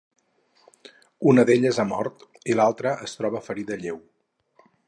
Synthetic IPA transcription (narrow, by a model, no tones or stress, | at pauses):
unəðeʎəzəmɔɾt̪ | ilalˠt̪ɾəʔəst̪ɾɔβ̞əfəɾiðəʎew